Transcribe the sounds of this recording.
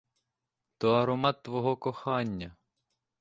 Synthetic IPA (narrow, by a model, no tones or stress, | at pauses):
t̪ɔɐɾɔmɑt̪ːʋɔɦɔkɔxɑnʲːɐ